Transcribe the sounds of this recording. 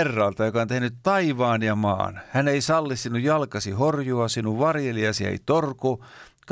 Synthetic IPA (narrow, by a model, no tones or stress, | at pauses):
rːɑlt̪ɑjokɑont̪ehnyt̪t̪ɑiʋɑːnjɑmɑ̰ːnhæneisɑlːissinujjɑlkɑsihorjuɑsinuʋʋɑrjeliɑsiḛit̪orku | k